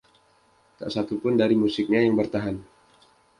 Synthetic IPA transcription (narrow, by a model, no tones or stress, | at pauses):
t̪a̰ʔsat̪upʊndaɾimusɪk̚ɲajaŋbərt̪aɦan